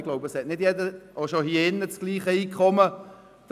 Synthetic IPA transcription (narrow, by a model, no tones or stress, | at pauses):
ɡ̥loʊbəshɛtnɪd̥jɛdəʔoʃohiɪnːət͡sɡ̥liːχəiːkχɔmə | d̥